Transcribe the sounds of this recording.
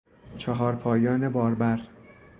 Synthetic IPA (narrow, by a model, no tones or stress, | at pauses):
t͡ʃʰeɦɒːɾpʰɒːjɒːnebɒːɾbæɾ